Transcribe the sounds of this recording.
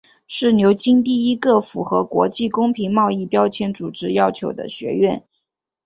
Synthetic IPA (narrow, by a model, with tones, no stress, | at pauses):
ʂɻ̩˥˩njo˧˥ʊt͡ɕi˥ŋt̪i˥˩i˥ɡə˥˩fu˧˥xɤ̰˧˥kwɔ̰˧˥t͡ɕi˥˩kʊ˥ŋpʰi˧˥ŋmɑ˥˧ʊi˥˩pjɑ˥ʊt͡ɕʰjɛ˧˥nt͡su˨˩ʈ͡ʂɻ̩˥jɑ˥ʊt͡ɕʰjo˧˥ʊd̪ə̰˧ɕɥɛ̰˧˥ɥɛ˥˩n